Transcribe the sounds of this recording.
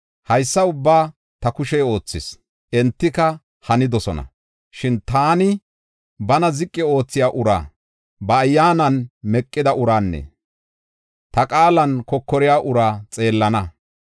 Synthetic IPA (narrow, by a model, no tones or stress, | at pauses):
hɐjsːɐʊbːaː | t̪ɐkʊʃɛo̞ːt͡sːɪs | ʔɛnt̪ːɪkɐ | hɐnɪd̪ɔsɔnɐ̰ | ʃɪnt̪aːnɪ | bɐnɐzɪkʼːɪo̞ːt͡sːɪjaːʔʊɾa̰ː | bɐːjːaːnɐnmɛkʼːɪd̪ɐʔʊɾaːnːɛ̰ | t̪ɐkʼaːlɐnkɔkːɔɾɪjaːʔʊɾaːt͡sʼe̞ːlːɐnɐ